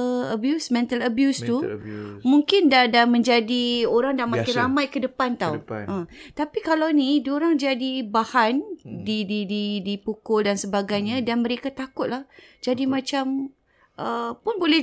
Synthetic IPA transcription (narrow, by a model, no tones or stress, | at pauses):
əbjusmɛ̃nt̪aləbjust̪umuŋkɪndaʔdamə̃ɲd͡ʒadioɾaŋdamakɪɾamãjkədəpant̪awʔət̪apikalawnidoɾaŋd͡ʒadibahandidididipukʊldansəbaɡajɲãdanmə̃ɾekat̪akʊt̪̚lahd͡ʒadimãt͡ʃam | ʔəpʊnbolɛ